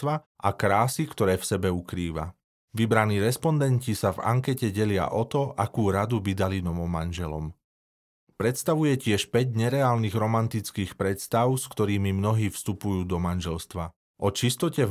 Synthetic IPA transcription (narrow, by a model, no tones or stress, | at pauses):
ʋa | ʔakɾaːsikt̪ɔɾɛːfsɛbɛukɾiːʋa̰ | ʋibɾaniːɾɛspɔnd̪ɛncisava̰ŋkɛcɛɟɛlɪa̰ʔɔt̪ɔʔakuːɾad̪ubid̪alinɔʋɔmanʒɛlɔ̰m | pɾɛt̪st̪aʋujɛcɪɛʃpɛɟɲɛɾɛaːlniɣɾɔmant̪it͡skiːxpɾɛt̪st̪aʊskt̪ɔɾiːmimnɔɦiːfst̪upujuːd̪ɔmanʒɛlst̪ʋa | ʔɔt͡ʃist̪ɔcɛ